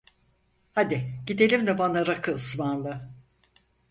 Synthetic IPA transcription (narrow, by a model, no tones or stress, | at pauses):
had̪ɪɟ̥id̪e̞lʲimd̪ɛbanaɾakʰɯɯsmanlˠɯ